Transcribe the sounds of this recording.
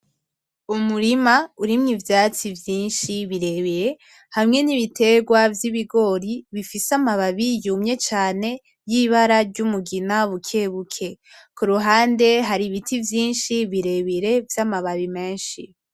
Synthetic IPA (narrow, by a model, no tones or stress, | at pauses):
umuɾimauɾimŋivjaːt͡sivjiːnʃiβiɾe̞βiɾe̞ | hamŋe̞niβitʰe̞ːɡwavjiβiɡo̞ɾiβifisamaβaβijumɲe̞t͡ʃaːne̞ | jiːβaɾaɾɟumuɡinaβukʰe̞βukʰe̞ | kuɾuɦaːnde̞ɦaɾiβitʰivjiːnʃiβiɾe̞βiɾe̞vjamaβaβime̞ːnʃi